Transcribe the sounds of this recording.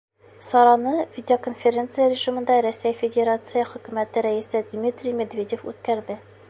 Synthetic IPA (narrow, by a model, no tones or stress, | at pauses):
sɒɾɑnɤvʲɪdʲɪokonfʲeɾʲe̞nt̪sɨjəɾʲɪʒimɤ̆nd̪ɑɾæsæjfʲedʲeɾat̪sɨjəχɵ̆kʉmæt̪ɘɾæisɘd̪mʲit̪rʲimʲed̪vʲedʲefʉ̰t̪kæɾd̪ɘ